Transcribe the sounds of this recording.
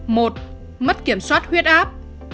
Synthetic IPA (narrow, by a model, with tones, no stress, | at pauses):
mo˨˩t̚ | mə˦˥t̚ki˧˩əmswaː˦˥t̚hwi˦˥ət̚ʔaː˦˥p̚